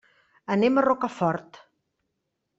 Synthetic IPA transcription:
ənemərɔkəfɔɾt̪

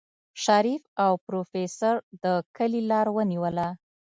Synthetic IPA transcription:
ʃaɾifawpɾofesaɾd̪əkəlilɑɾwəniwəla

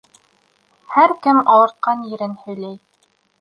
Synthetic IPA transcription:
hæɾkɘmɑw̪ˠɤ̆ɾt̪̚qɑnjɘ̆ɾɘnhɵ̆jlæj

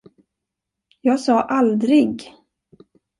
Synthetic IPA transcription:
jɑːɡsɑːʔald̪ɾɪɡ

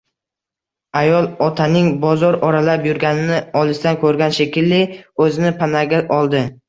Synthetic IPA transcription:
ajɒlˠɒt̪ʰanɪŋbɒzɒɾɒɾalapjʊɾɡʲanɪnɪɒlˠɪsd̪ankʰɵɾɡʲanʃekʲɪlːɪɵzɪnɪpʰanaɡʲaʔɒlˠd̪ɪ

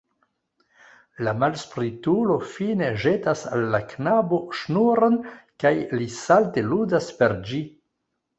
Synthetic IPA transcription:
lamalspɾitulo̞fine̞ʒe̞tasa̰lːaknabo̞ʃnuɾonkajlisalte̞ludaspe̞ɾd͡ʒi

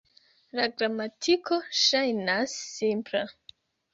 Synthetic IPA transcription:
laɡɾamatʰikʰoʃajnasːimpɾe

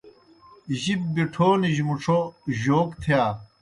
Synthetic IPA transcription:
ʑib̚biʈʰoːniʑmuʈ͡ʂʰoʑoːkt̪ʰijaː

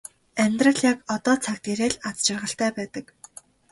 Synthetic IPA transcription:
æmʲt̪rə̆ɮjakɔt̪ɔːt͡sʰak̚t̪eɾeːɮat͡st͡ɕɪ̆rʁə̆ɬt̪æːpæːt̪ə̆k

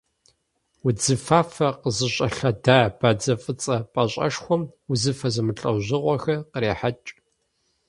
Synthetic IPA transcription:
wʊd͡zɨfaːfɐqəzɨɕʼɐɬɐdaːb̥aːd͡zɐfʼɨt͡sʼɐpʼɐɕʼɐ̰ʂxʷɔmuzɨfɐzɨmɨɬʼɐwʑʷɪʁʷɔxɐqəɾeːħat͡ʃʼ

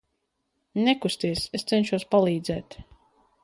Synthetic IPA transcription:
nɛkust̪iɛsest̪sɛnʲʃuɔspalˠiːd̪zɛːt̪

